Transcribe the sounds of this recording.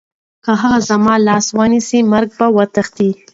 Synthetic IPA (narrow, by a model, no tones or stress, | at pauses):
kəɦaɣazamɑlɑswənisimaɾɡ̚bawat̪axt̪i